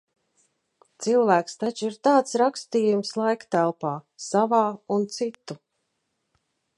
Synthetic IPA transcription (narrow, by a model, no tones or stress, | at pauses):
t̪silˠvæːkst̪at͡ʃiɾt̪aːt̪sɾakst̪iːjumslˠajkt̪ælˠpaːsavaːunt̪sit̪ːu